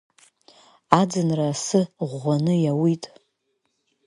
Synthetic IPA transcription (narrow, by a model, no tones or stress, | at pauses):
ad͡zɨnraːsɨʁʷanɨjawitʼ